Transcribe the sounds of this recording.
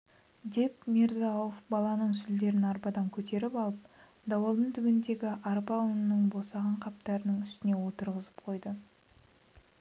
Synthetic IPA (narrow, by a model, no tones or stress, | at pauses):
d̪e̞pmeɾzɑofbɑlˠɑnəɴsʏld̪e̞ɾɪnɑɾbɑd̪ɑŋkʲʰɵt̪e̞ɾɪpɑlˠəp̚ | d̪ɑwɑlˠd̪ənt̪ʰʏbɪnd̪e̞ɡʲɪʔɑɾbɑnənːəɴbosɑʁɑɴqʰɑp̚t̪ɑɾənəɴʏst̪ɪne̞wo̞t̪əɾʁəzə̥p̚qʰo̞jd̪ə